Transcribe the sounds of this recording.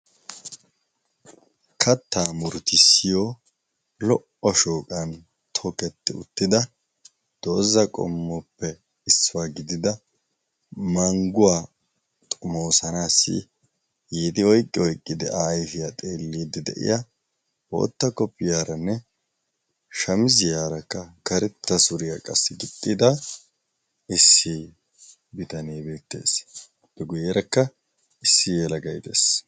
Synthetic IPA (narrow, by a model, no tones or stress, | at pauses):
kʰɐt̪ʰːaːmʊɾt̪ɪsːɪjoː | lɔʔɔʃoːkʼɐn | t̪ʰɔkɛt̪ːɪʊ̰t̪ːɪd̪ɐ | d̪̥o̞ːzɐkʼɔ̰mːɔpːɛ | ɪsːʊwaːɡɪd̪ɪd̪ɐ | mɐŋɡʊwaː | t̪ʼʊmoːsɐnaːsːɪ̰ | jiːd̪ɪɔjkʼːɪɔjkʼːɪd̪ɛʔaːjfɪjat̪ʼeːlːiːd̪ɪd̪ɛ̰ʔɪ̰ja | wo̰ːt̪ːɐkːɔpːɪjaːɾɐnːɛ | ʃɐmɪzɪjaːɾɐkːɐkɐɾɛt̪ːɐsʊɾɪjɐkʼɐsːɪɡɪt̪ʼːɪd̪ɐ | ɪsːi | bɪt̪ɐniːbe̞ːt̪ːe̞̰ːs | b̥ːɛɡʊjɛɾɐkːɐ | ɪsːɪjɛlɐɡɐjt̪e̞̰ːs